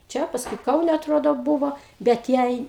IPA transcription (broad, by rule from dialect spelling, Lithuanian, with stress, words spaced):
ˈt͡ʃʲɛ pɐsˈkʊɪ ˈkɐʊnʲɛ ɐtˈroːdoː ˈbuːʋoː bʲɛt ˈjɛɪ